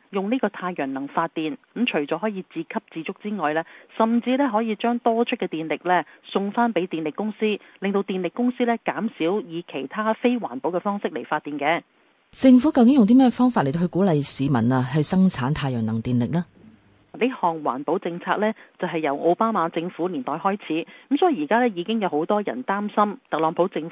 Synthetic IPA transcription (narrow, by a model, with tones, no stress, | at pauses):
jʊ˨ŋniː˥kɔː˧t̪ʰaː˧jjœ˨˩nnɐ˨˩ŋfaː˧t̚t̪ːiː˨nkmt͡ʃʰɵ˨˩t͡sɔː˨˥ɦɔː˨˥jiː˨˧t͡siː˧kʰɐ˥p̚t͡siː˧t͡sʊ˥k̚t͡siː˥ŋɔː˨jlɛː˥sɐ˨mt͡siː˧lɛː˥ɦɔː˨˥jiː˨˧t͡ʃœː˥ŋt̪ɔː˥t͡ʃʰɵ˥t̚kːɛː˧t̪iː˨nlɪ˨k̚lɛː˥sʊ˧ŋfaː˥npe˨˥jt̪iː˨nlɪ˨kːʊ˥ŋsiː˥ | lɪ˨ŋt̪o˧wt̪iː˨nlɪ˨kːʊ˥ŋsiː˥lɛː˥kaː˨˥msiː˨˥wjiː˨˧kʰe˨˩jt̪ʰaː˥fe˥jwaː˨˩npo˨˥wkɛː˧fɔː˥ŋsɪ˥k̚le˨˩jfaː˧t̪̚ːiː˨nkɛː˧ | t͡sɪ˧ŋfuː˨˥kɐ˧wkɪ˨˥ŋjʊ˨ŋt̪iː˥mɛː˥ɛ˧fɔː˥ŋfaː˧t̚le˨˩t̪o˧hɵ˧kuː˨˥lɐ˨˧jsiː˨˧mɐ˨˩naː˧ɦɵ˧sɐ˥ŋt͡sʰaː˨˥nt̪ʰaː˧jœː˨˩ŋnɐ˨˩ŋt̪iː˨nlɪ˨k̚laː˥˨ | leː˥hɔː˨ŋwa̰ː˨˩npo˨˥wt͡sɪ˧ŋt͡sʰaː˧k̚lɛː˥t͡sɐ˨wɦɐ˨jːɐ˨˩wʔo˧wpaː˥maː˨˧t͡sɪ˧ŋfuː˨˥liː˨˩nt̪ɔː˨jhɔː˥jt͡sʰiː˨˥kə˨˥m̩sɔː˨˥i˨˧˩jiː˨˩kaː˥lɛː˥jiː˨˧kɪ˥ŋjɐ˨who˨˥wt̪ɔː˥jɐ̰˨˩nt̪aː˥msɐ˥mt̪ɐ˨k̚lɔː˨˥ŋpʰo˨˥wt͡sɪ˧ŋ